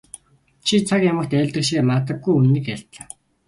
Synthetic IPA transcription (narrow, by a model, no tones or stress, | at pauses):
t͡ɕʰit͡sʰakjamə̆xt̪æːɮʲt̪ə̆ʃeːmat̪ə̆ɡːujunːĭkæɬt̪ɮaː